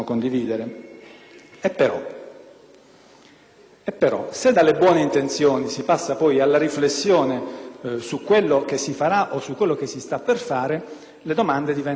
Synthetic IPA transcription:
okond̪iviːd̪eɾe | epːeɾɔ | epːeɾɔ̰sed̪ːalːebwɔːneint̪ent̪sjoːnisipasːapɔjalːaɾiflesːjoːnesukːwelːok̟esːifaɾaʔosːukːwelːok̟esːist̪apːerfaːɾe | led̪omand̪ed̪ivɛn

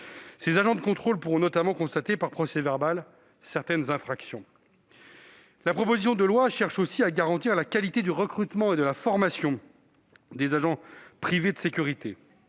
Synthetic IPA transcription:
sezaʒɑ̃d̪əkɔ̃t̪χolpuʁɔ̃nɔt̪amɑ̃kɔ̃st̪at̪epaʁpχɔsɛvɛʁbal | sɛʁt̪ɛnzɛ̃fχaksjɔ̃ | lapχɔpozis̬jɔ̃d̪əlwaʃɛʁʃosiaɡaʁɑ̃t̪iʁlakalit̪ed̪yʁəkχyt̪mɑ̃ed̪əlafɔʁmasjɔ̃ | d̪ezaʒɑ̃pχived̪əsekʲyʁit̪e

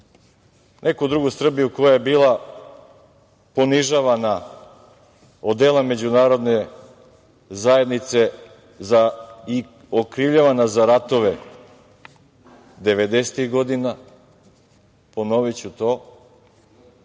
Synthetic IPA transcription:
nʔekud̪ɾuɡusr̩bijuko̞jajebiːlˠa | po̞niʒaʋana | od̪elˠame̞d͡ʑunaːɾo̞d̪ne | zaje̞d̪nit̪se̞ | zai | okɾiʋʎaʋanazaɾat̪o̞ʋe | d̪eʋed̪eset̪iɣɡo̞d̪ina | ponoʋit͡ɕut̪o̞

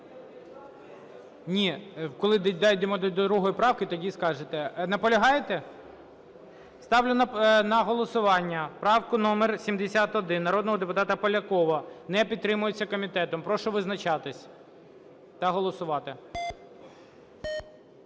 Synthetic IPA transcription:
nʲikɔlˠɪd̪d̪ɑjd̪emɔd̪d̪ɔd̪ɾuɦɔjipɾɑwkɪt̪ɔdʲiskɑʒet̪ɛnɐpɔlʲɐɦɑjet̪ɛ | st̪ɑwlʲʊnnɐɦɔlˠɔsʊʋɑnʲːɐpɾɑwkʊnɔmersʲimd̪esʲat̪ɔd̪ɪnːɐɾɔd̪nɔɦɔd̪epʊt̪ɑt̪ɐpɔlʲɐkɔʋɐnɛpʲid̪̚t̪ːɾɪmʊjet͡sʲːɐkɔmʲit̪ɛt̪ɔmpɾɔʃɔʋɪznɐt͡ʃɑt̪ɪsʲ | t̪ɐɦɔlˠɔsʊʋɑt̪ɪ

